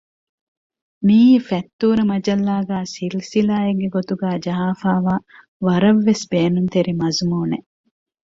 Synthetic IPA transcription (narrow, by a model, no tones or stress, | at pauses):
miːfɛt̪ːuːɾɐmɐd͡ʒɐlːaːɡæːsilsilaːeɡɡeɡot̪uɡæːd͡ʒɐɦaːfaːʋaː | ʋɐɾɐʋːesbeːnunt̪eɾimɐzumuːne